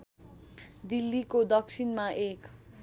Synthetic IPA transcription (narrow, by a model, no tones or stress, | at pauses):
d̪ilːikod̪ʌksʰinmaʔek